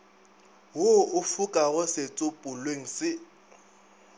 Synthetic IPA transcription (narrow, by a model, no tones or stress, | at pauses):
wʊʊfukʼaɣʊsɪt͡sʼʊpʼʊlweŋ̩sɪ